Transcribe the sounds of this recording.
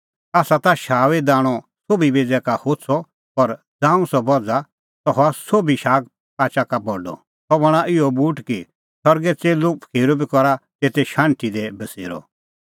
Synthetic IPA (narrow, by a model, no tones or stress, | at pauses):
aːsat̪aʃaːʋɛd̪aːɽ̃ɔ | soːbibed͡zɛkahot͡sʰɔ | pɐɾ | d͡zãːũsɔbɔd͡za | t̪ɔɦɔasobiʃaːɡ̚ | paːt͡ʃakabɔɖɔ̰ | tɔbɐɽ̃aʔɪɔbuːʈki | sɔɾɡɛt͡seːlopʰkʰeːɾobikɔɾat̪eːt̪ɛʃãːnt̪id̪ɛbɐsḛːɾɔ̰